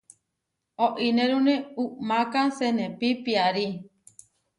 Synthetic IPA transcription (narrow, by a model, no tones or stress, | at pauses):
oʔinẽɾunẽuʔmãkasenẽpipiaɾi